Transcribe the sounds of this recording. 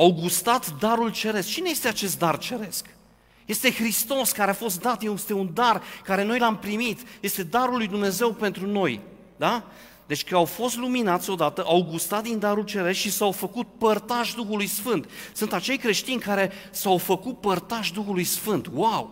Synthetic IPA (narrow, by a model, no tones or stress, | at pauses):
awɡust̪at̪d̪aɾult͡ʃe̞ɾe̞sk̚t͡ʃine̞je̞st̪e̞at͡ʃe̞s̬t̪̚d̪art͡ʃe̞ɾe̞sk | je̞st̪e̞xɾist̪o̞skaɾeafo̞st̪d̪at̪jest̪eund̪arkaɾe̞no̞jlampɾimit̪je̞st̪e̞d̪aɾulːujd̪umne̞ze̞wpe̞nt̪ɾuno̞j | d̪a | d̪e̞t͡ʃʲkəawfo̞st̪luminat̪sʲo̞d̪at̪əʔawɡust̪at̪̚d̪ind̪aɾult͡ʃe̞ɾe̞skʃisawfəkut̪̚pərt̪aʃd̪uxulujsfɨnt̪sɨnt̪at͡ʃe̞jkɾe̞ʃt̪inʲkaɾe̞sawfəkut̪̚pərt̪aʃd̪uxulujsfɨnt̪waw